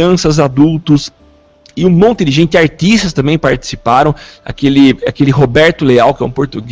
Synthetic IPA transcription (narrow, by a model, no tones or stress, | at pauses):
ɐ̃sɐzad̪uwt̪ʊs | ɪũmõnt̪ɪd̪ɪʒẽnt̪ɪaɾt̪ist̪ɐst̪ɐ̃mbẽj̃paɾt͡ʃ̪i̥si̥paɾɐ̃w̃a̰kelɪa̰kelɪɦobɛɾt̪ʊleawkɪɛ̰ũpoɾt̪uɡ